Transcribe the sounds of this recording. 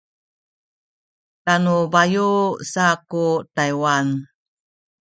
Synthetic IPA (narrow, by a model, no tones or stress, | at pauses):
tanubajusakutajwan